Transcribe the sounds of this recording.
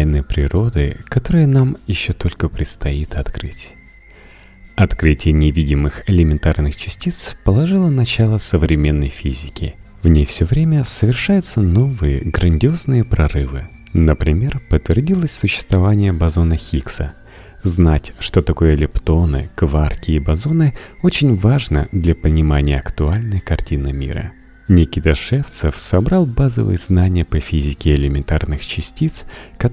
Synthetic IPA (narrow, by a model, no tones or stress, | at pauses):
jnɨjpɾʲɪɾo̞d̪ɨkɐt̪o̞ɾɨjənamjɪɕːo̞t̪o̞lʲkəpɾʲɪt̪st̪ɐit̪ɐt̪kɾɨ̰tʲ | ɐt̪kɾɨtʲɪjənʲɪvʲidʲɪmɨxɪlʲɪmʲɪnt̪arnɨxt͡ɕɪsʲtʲit̪spəlˠɐʐɨlˠənɐt͡ɕalˠəsəvɾʲɪmʲe̞nːəjfʲizʲɪkʲɪ̰ | vnʲejfsʲɵvɾʲemʲəsəvʲɪrʂajʊt̪səno̞vɨjə̰ɡɾənʲdʲɪo̞znɨjəpɾɐrɨvɨ̰ | nəpɾʲɪmʲe̞rpət̪vʲɪrdʲilˠəsʲsʊɕːɪ̥st̪vɐvanʲɪjəbɐzo̞nəxʲiksə | znatʲʂt̪o̞t̪ɐko̞jəlʲɪpt̪o̞nɨ̰kvarkʲɪːbɐzo̞nɨo̞t͡ɕɪnʲvaʐnə̰d̪lʲapənʲɪmanʲɪjəɐkt̪ʊalʲnəjkɐrtʲinɨmʲḭɾə̰ | nʲɪkʲɪd̪ɐʂɛft̪səfsɐbɾɑlˠbazə̰vɨ̰jəznanʲɪjəpəfʲizʲɪkʲɪːlʲɪmʲɪnt̪arnɨxt͡ɕɪsʲtʲit̪skɐ